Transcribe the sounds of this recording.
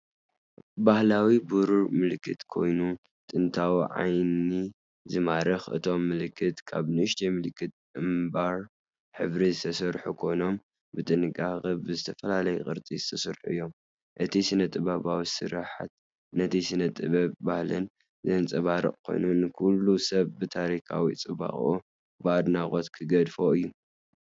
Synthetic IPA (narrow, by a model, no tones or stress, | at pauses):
bahlawibuɾuɾmɨlkʰːɨt̪kʰo̞̰jnu | t̪ʼɨnt̪ʰawiʕa̰jni | zɨmaɾɨxɨ̰t̪ʰo̞mːɨlɨkʰːɨt̪kʰa̰βnɨɨʃt̪ʰemɨlkʰːɨt̪̚ɨmbaɾ | ħɨβɾizɨt̪ʰɐsɐɾħukʰo̞jno̞m | bɨt̪ʼɨnɨɡʼaɣɐβbɨzɨt̪ʰɐfɐlalɐjukʼɨ̰ɾt͡s̪ʼizɨt̪ʰɐsɐɾħuɨjːo̞m | ʔɨt̪ʰisɨnɐt̪ʼɨβaβawisɨ̰ɾaħa̰t̪̚ | nɐt̪ʰisɨnɐt̪ʼɨβɐβbahlɨn | zɐnt͡sʼɐβaɾɨ̰χʼkʰo̞̰jnunɨkʰulːusɐβbɨt̪ʰaɾikʰa̰wit͡sʼɨβa̰χʼo̰ | bɨad̪naχʼo̞t̪kʰɨɡɐd̪fo̞ɨjːu